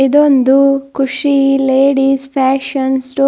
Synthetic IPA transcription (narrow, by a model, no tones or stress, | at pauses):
id̪ond̪ukuʂileːɽiːspʰaːʃɐnsʈoː